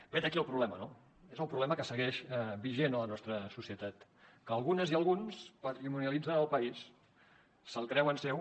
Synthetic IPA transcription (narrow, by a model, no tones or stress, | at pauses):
b̥ed̪əkiəlˠpɾuβlɛməno | ezəlˠpɾuβlɛməkəsəɣɛʃɛbiʒenələnɔst̪ɾəsusiət̪at̪ | kəːlˠɣunəziəlˠɣunspət̪ɾimuniəlid͡zənəlˠpəis | səlˠkɾɛwənsɛw